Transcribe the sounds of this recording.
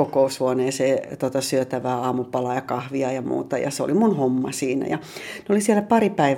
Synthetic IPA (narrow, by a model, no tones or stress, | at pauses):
okoushuoneːseːt̪ot̪ɑsyøt̪æʋæːɑːmupɑlɑjɑkɑhʋiɑjɑmṵːt̪ɑjɑ̰seo̰limunhomːɑsiːnæ̰jɑneolisiælæpɑripæiʋ